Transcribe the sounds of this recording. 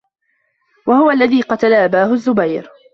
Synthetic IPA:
wahʊwaʔlːaðiːqɑt̪alaʔabaːhʊzːʊbajɾ

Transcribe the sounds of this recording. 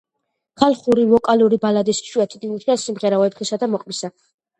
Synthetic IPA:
χalˠχuɾivɔkʼaluɾibalad̪isʃuɛt̪ʰid̪init̪ʰiasimʁɛɾaɔɛpχisad̪amɔqʼmisa

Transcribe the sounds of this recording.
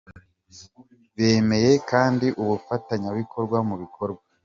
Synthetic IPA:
βeːme̞je̞kaːndiʔuβufataɲaβikʰo̞ɾɡwamuβikʰo̞ɾɡwa

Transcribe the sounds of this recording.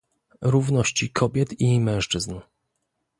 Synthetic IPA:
ɾuvnɔɕt͡ɕikʰɔbʲjɛt̪imɛ̃w̃ʂt͡ʂɘzn

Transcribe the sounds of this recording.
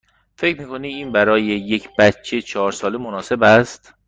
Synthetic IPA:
fe̞cʰɾmiːkʰoniiːnbæɾɒːjeje̞cʰb̥æt̪t͡ʃʰːet͡ʃʰɒːɾsɒːlemonɒːse̞bæst̪

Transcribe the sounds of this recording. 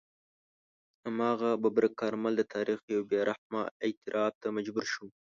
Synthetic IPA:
amɑɣababɾakɑɾmald̪ət̪ʰɑɾixjawbjɑɾʔahmɑ̰ɪt̪ɪɾʔɑb̚t̪amad͡ʒbuɾʃu

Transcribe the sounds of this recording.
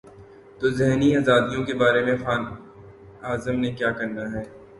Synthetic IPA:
t̪oːzɛɦniaːzaːd̪ijõkebaːɾemẽxaːn | aːzəmnekjaːkɐɾnaɦɛː

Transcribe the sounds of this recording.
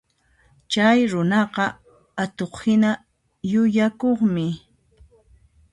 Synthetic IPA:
t͡ʃajɾʊnɑqɑ | at̪oχhɪna | jʊjakoχmɪ

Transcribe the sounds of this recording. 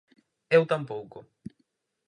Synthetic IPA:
ewt̪ampowkʊ

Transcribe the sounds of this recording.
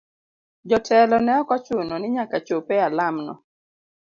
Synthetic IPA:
d͡ʒɔtʰɛlɔnɛɔkɔt͡ʃʊnonɪɲakat͡ʃopealamnɔ̰

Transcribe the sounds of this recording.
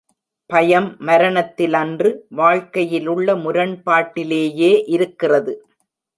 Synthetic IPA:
pɐjɐmːɐɾɐɳɐt̪ːɪlɐndrɯʋaːɻkɐjɪlɯɭːɐmʊɾɐɳpaːʈːɪleːjeːʔɪɾɯkːɪrɐðɯ

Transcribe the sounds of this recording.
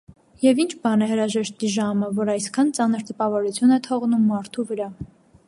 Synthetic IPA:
jɛvint͡ʃʰbɑnɛhəɾɑʒɛʃt̪iʒɑməvɔɾɑjskʰɑnt͡sɑnəɾt̪əpɑvɔɾut͡sʰjunɛt̪ʰɔʁnumːɑɾt̪ʰuvəɾɑ

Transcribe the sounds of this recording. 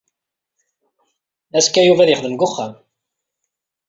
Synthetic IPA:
æskːæjuvæðjəχðəmɡʊχːam

